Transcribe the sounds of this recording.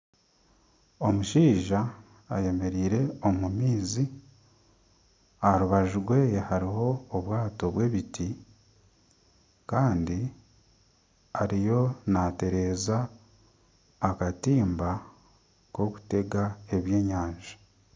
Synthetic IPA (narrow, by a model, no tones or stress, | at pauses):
o̞muʃiːʒaː | je̞me̞ɾiːɾe̞omumiːzi | aɾuβaʒuɡwe̞ːjehaɾiɦo̞ːβwaːto̞βwe̞βiti | kaːndi | aɾijo̞nate̞ɾe̞ːza | katiːmba | ko̞ku̥te̞ɡae̞βje̞ːɲaːɲʒḁ